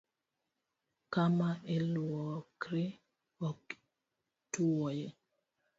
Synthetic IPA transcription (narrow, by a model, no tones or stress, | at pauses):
kamaʔelwɔkɾɪ | ɔk | tuwɔje